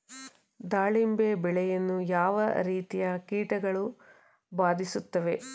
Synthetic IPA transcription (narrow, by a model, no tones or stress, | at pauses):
d̪aːɭimbeːbɛɭɛjɐnːujaːʋɐ̰ɾiːt̪ijɐkiːʈɐɡɐɭu | baːd̪isut̪ːɐʋe̞